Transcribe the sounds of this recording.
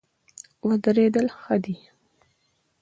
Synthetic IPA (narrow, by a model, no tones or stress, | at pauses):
wəd̪əɾed̪əlxəd̪i